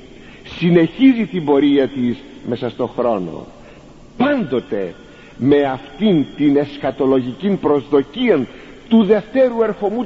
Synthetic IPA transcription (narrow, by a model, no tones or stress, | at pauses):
sine̞çizit̪imbo̞ɾiɐt̪iz | me̞sɐst̪o̞xɾo̞no̞̰ | pɐnd̪o̞t̪e̞ | me̞ɐft̪int̪ine̞skɐt̪o̞lo̞ʝicinpɾo̞zðo̞ciɐn | t̪uðe̞ft̪e̞ɾue̞ɾxo̞mu